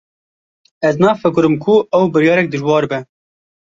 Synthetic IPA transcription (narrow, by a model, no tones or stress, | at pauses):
ɛznɑːfɨkɨɾɨmkʰʊɛwbɨɾjɑːɾɛk̚d̪ɨʒwɑːɾbɛ